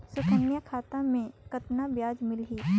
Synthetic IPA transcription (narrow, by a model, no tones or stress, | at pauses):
sʊkʰənjəkʰaːt̪ãmẽkɐt̪nabjaːd͡ʒmɪlɦiː